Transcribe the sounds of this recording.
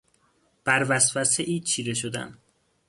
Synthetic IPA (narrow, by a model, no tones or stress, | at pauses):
b̥æɾvæsvæseʔiːt͡ʃʰiːɾeʃod̪æ̰n